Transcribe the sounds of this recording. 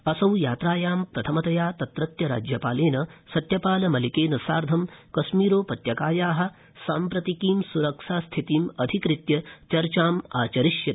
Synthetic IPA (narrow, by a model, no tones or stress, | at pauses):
ɐsɐwjaːt̪ɾaːjaːmpɾɐt̪ʰɐmɐt̪ɐjaːt̪ɐt̪ɾɐt̪jɐɾa̰ːd͡ʒjɐpaːleːnɐsɐt̪jɐpaːlɐmɐlikeːnɐsaːɾd̪ʱɐmkɐʃmiːɾoːpɐt̪jɐkaːjaːɦɐ̆ | saːmpɾɐt̪ikiːmsuɾɐkʂaːst̪ʰit̪iːmɐd̪ʱikɾit̪jɐt͡ʃɐɾt͡ʃaːmaːt͡ʃɐɾiʃjɐ